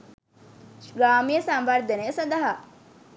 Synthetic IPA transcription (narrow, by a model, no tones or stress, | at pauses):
ɡɾaːmijəsɐmʋɐɾd̪ɐnesod̪ɐɦa